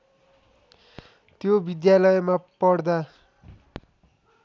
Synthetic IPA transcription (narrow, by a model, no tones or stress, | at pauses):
t̪jobid̪jalʌjmapʌɽd̪a